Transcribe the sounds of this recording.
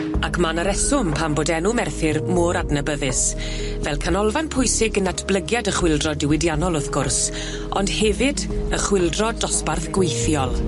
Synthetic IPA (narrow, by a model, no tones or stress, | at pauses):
akʰmanəɾɛsʊmpʰamboːdɛnumɛrθɪrmʊɾadnəbəðɪs | vɛlˠkʰanɔlˠvanpʰʊjsɪɡənatʰb̥lˠəɡjadəχwɪlˠdrɔdɪwɪdjanɔlˠʊθɡ̥ʊrs | ɔnd̥hɛvɪdəχwɪlˠdrɔdɔsparθɡ̥wejθjɔlˠ